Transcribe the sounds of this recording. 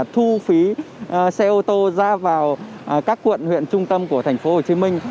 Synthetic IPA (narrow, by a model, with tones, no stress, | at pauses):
t̪ʰu˧fi˨˦sɛ˧ʔo˧t̪o˧zaː˧vaː˨˩w | kaː˦˥kːwə̰˧˨nhwḭ˧˨ənt͡ɕʊ˧ŋ͡mt̪ə˧mku˧˩ət̪ʰa˨˩ŋ̟fo˨˦ho˨˩t͡ɕi˨˦mï˧ŋ̟